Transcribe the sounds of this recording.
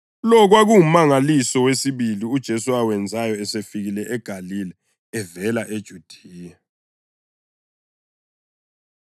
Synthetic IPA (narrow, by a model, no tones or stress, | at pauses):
lɔk̬waɣuumaŋalisɔwesiβiliud̥ʒ̥ʱesuawɛnd͡zʱajɔɛsefiɣilɛʔɛɡ̥ʱalilɛ | ɛvɛlaʔed̥ʒ̥ʱud̥ʱiiːja